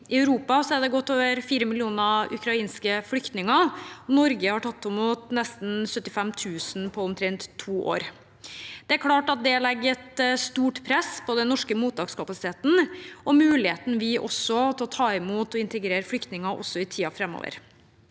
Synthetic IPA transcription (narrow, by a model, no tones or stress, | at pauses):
ʔɪœʉɾuːpɑsɔæɾd̪ɛɡɔt̪ːoːʋəɾfiːɾəmɪlɪuːnɑʉ̰kʰɾɑiːnskəflʏkt̪nɪŋɑɔnɔɾɡəhɑʈʰɑt̪ːɔmuːt̪nɛst̪n̩sœt̪ːɪfɛmt̪ʰʉːsn̩pʰɔʊmt̪ʰɾɛnt̪ʰːuːʔo̰ːɾ | d̪̥ɛæɾkʰlɑːʈɑt̪̚d̪ɛlɛɡːɛt̪st̪uːʈpʰɾɛspʰɔd̪ɛnnːɔʂkəmuːt̪̚ɑːɡskʰɑpɑsɪ̥t̪ʰeːt̪n̩ɔmʉːlɪheːt̪n̩ʋɪʔɔ̰sːɔt̪ʰɛɔt̪ʰɑːɪmuːt̪ɔɪnt̪əɡɾeːɾəflʏkt̪nɪŋɑʔɔsːɔɪt̪ʰiːɑfɾɛmːo̰ːʋə̰ɾ